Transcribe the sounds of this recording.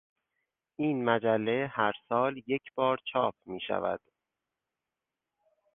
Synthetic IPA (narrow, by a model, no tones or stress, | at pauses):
ʔiːnmæd͡ʒælːe̞hæɾsɒːlje̞cʰb̥ɒːɾt͡ʃʰɒːp̚ʰmiːʃæ̰væ̰d̪̥